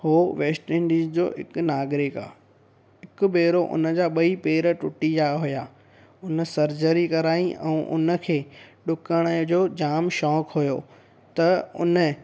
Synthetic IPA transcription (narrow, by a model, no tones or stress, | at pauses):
hoːʋeːsʈɪ̃ɳɖiːzd͡ʑo̰ːɦɪ̰knaːɡɾɪka̰ː | ɦɪkʊ̆beːɾoʔʊ̰nə̆d͡ʑaːɓɐipeːɾə̆ʈʊʈid͡ʑaɦʊjaː | ʊnə̆sɐɾd͡ʑəɾikɐɾaːĩʔɛ̰̃ũʔʊ̰nə̆kʰeːɗʊkəɽ̃əd͡ʑoːd͡ʑaːmʃɔːkɦʊjoː | t̪ɐʊ̰nə